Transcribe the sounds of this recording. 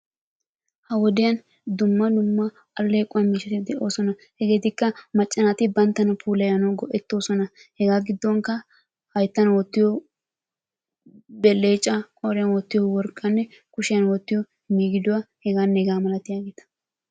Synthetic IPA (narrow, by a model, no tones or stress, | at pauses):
hɐwɔd̪ɪjɐn | d̪ʊmːɐlʊmːɐ | ɐlːeːkʼːʊwɐmiːʃɛt̪ɪd̪ɛʔo̞ːsɔnɐhɛɡe̞ːt̪ɪkːɐmɐt͡ʃʼːɐnat̪ɪbɐnt̪ːɐnɐpʰuːlɐjɐnɐwɡɔʔɛt̪ːo̞ːsɔnɐhɛɡaːɡɪd̪ːɔwŋkɐ | hɐjt̪ːɐnwɔt̪ːɪjɔ | bɛlːeːt͡ʃʼːɐkʼɔɾɪjɐnwɔt̪ːɪjɔwɔɾkʼːɐnːɛ | kʊʃɪjɐnwɔt̪ːɪjɔ | miːɡɪd̪ʊwahɛɡaːnːɛɡaːmɐlɐt̪ɪjaːɡeːt̪ɐ̥